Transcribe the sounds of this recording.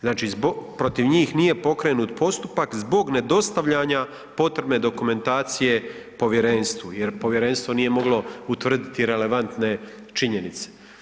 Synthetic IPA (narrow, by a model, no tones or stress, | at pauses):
znaːt͡ʃiːzbopɾo̞t̪iʋɲiːxnije̞po̞kɾe̞nuːt̪pʰo̞st̪upakzbo̞ɡne̞d̪o̞st̪aʋʎaɲa | po̞t̪ɾebme̞d̪o̞kume̞nt̪aːt̪sije̞ | po̞ʋje̞ɾe̞nst̪ʋujeɾpo̞ʋje̞ɾe̞nst̪vʋo̞nije̞mo̞ɡlo̞ut̪ʋr̩d̪it̪iɾe̞le̞ʋant̪ne̞ | t͡ʃiɲe̞nit̪se̥